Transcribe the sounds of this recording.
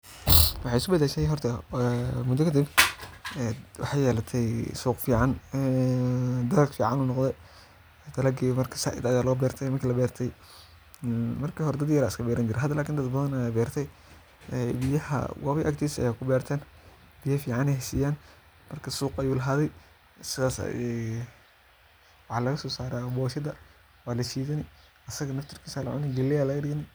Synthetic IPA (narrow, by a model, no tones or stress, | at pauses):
wɑħɑjɪskʊbɐd̪ɛːʃɛjɦɔrt̪ʰɐ | mʊd̪ɔkʰɐd̪ib | ɛwɑ̰ħɑjɛːlɐt̪ʰɛjsuːqfiːʕɑn | d̪ɐlɐɡfiːʕɑnuːnɔqd̪ɛ | d̪̥ɐlɐɡiːmɐrkʰɐ̥sa̰ʔɪ̰d̪ajaːlɔːbɛːrt̪ʰɛjmɐŋkʰilɐbɛːrt̪ʰɛj | mɐrkʰiːhɔɾɛd̪ɐd̪jɐɾaːɪskʰɐbɛːɾɐnt͡ʃɪɾɛɦɐd̪ɐlaːkʰiːnd̪ɐd̪bɐðɐnɐjabɛːrt̪ʰɛj | ɛbɪjɐhɐ̰wɑ̰βɐʔɐkt̪ʰiːsɐ̰jaːkʰʊbɛːrt̪ʰɛːn | b̥ijɐfiːʕɑnɛɦsiːjaːn | mɐrkʰɐsuːqɐjuːlɐɦaːðɛj | sɪðaːsɛ | wɑħɑlɐɣɐsɔːsaːɾaːbɔːʃɐd̪ɐ | waːlɐʃiːðɐnɪ | ʔɐsɐɣɐnɐft̪ʰɪrkʰiːsaːlɐ̰ʕʊ̰nɪɡɐlːɛjaːlɐɣɐɖɪɣɐnɪ